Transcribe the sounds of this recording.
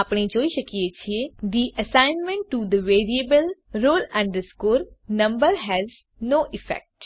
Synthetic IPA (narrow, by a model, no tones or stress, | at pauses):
apɳ̃ed͡ʒoːiʃəkijet͡ʃʰied̪iʔəsãɪnmɛ̃ɳʈːud̪əʋeːɾiəbəlɾoːlɛ̃ɳɖəskoːɾnɐ̃mbəɾɦɛz | noːʔɪfɛ̰k̚ʈ